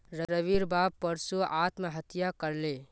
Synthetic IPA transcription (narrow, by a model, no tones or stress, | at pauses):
ɾəɾəʋiɾbaːb̚pːəɾsuaːt̪meɦət̪ijakəɾle